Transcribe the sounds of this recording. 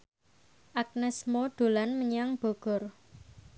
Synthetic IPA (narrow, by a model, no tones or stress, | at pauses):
ʔak̚nɛsmod̪̥o̤lanməɲaŋb̥ɔ̤ɡ̥ɔ̤r